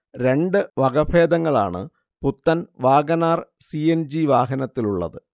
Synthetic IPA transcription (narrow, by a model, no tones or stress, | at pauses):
ɾe̞ɳɖɨʋɐɡɐbʰeːd̪ɐŋːɐɭa̰ːɳɨ̰ | put̪ːɐnʋaːɡɐnaːrsiend͡ʑiʋaːɦɐnɐt̪ːiluɭːɐ̰ðɨ